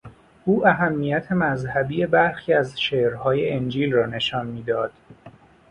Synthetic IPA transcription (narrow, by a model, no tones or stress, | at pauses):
ʔuːæɦæmːijæt̪ʰe̞mæzhæbije̞bæɾxiːæzʃeːʔɾhɒːjeend͡ʒiːlrɒːne̞ʃɒːnmiːd̪ɒːd̪̥